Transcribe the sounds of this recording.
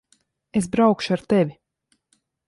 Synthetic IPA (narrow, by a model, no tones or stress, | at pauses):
esbɾawkʃuaɾt̪ɛvʲi